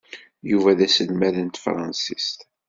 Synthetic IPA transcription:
juvæðæsəlmæðənt̪fɾˤɑ̰nsist̪

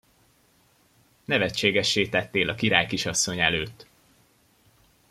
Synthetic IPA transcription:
nɛvɛt͡ʃːeːɡɛʃːeːt̪ɛt̪ːeːlɒkiɾaːjkiʃɒsːo̞ɲɛløːt̪ː

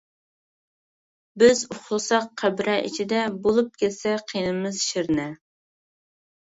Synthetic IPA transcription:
bɪzuχlˠɨsɑqʰːæbɾɛʔḭt͡ʃʰid̪ɛbolˠup̚kʲʰɛt̪sɛqʰijnɨmɨzʃiɾnɛ

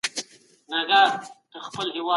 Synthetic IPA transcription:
naɡat̪əxpəlɦɪwɑ

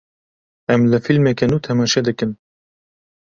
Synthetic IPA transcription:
ɛmlɨfilmɛkɛnuːt̪ʰɛmɑːʃɛd̪ɨkɨn

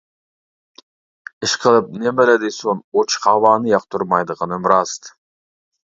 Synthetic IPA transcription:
ɪʃqʰəlˠəp̚nembelæd̪ejsonot͡ʃqʰɑβɑnɨjɑq̚t̪ʰʊɾmɑjd̪əʁənəmɾɑst̪

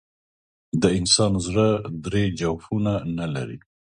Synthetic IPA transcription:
d̪əɪnsɑnzɽəd̪ɾed͡ʒawfunanala̰ɾḭ

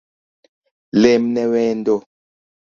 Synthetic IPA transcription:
lemnɛwɛndo

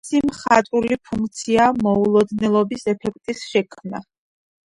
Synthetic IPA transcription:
simχat̪ʼulipʰuŋk̚ʰt̪sʰiamɔulˠɔd̪nɛlˠɔbisɛpʰɛkʰt̪ʼisʃɛkʰmna

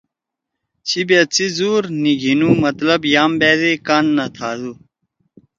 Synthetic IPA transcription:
t͡ɕʰibet͡sizuːɾniɡʱinumɐt̪lɐbjaːmbeːzekanːɐt̪ʰaːd̪u

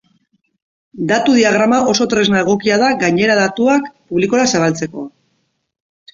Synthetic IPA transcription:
d̪at̪uðiaɣ̞ɾamaʔo̞so̞t̪ɾe̞znaeɣo̞kiað̞aɡajɲe̞ɾaðat̪uakpuβliko̞ɾasaβalt͡se̞ko̞

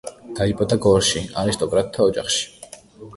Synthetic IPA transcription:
d̪̥aipʼɔd̪aɡɔɾʃiaɾist̪ʼɔkʼɾat̪ʰːaɔd͡ʒa̰χʃi̥

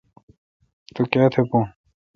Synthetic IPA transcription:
t̪ukjaːt̪ʰepõ

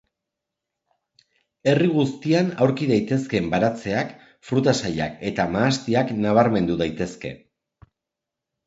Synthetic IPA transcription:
e̞riɣ̞ust̪ianawɾkiðajt̪e̞ske̞mbaɾat͡se̞ak | fɾut̪asaʎa̰ke̞t̪amaːst̪iaknaβ̞aɾme̞nd̪uðajt̪e̞ske̞̰

